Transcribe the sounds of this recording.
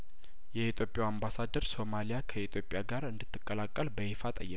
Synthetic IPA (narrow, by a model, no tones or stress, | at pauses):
jɛit̪ʰjo̞pʼjawambasad̪əɾso̞malijakʰəit̪ʰjo̞pʼjaɡaɾɨnd̪ɨt̪ːɨkʼːəlakʼːəlbəhefat̪ʼə̰jːɛk